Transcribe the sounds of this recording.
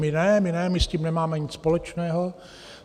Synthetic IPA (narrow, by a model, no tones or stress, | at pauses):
mɪnɛmɪnɛmɪsciːmnɛmaːmɛɲɪt͡sspolɛt͡ʃnɛːɦo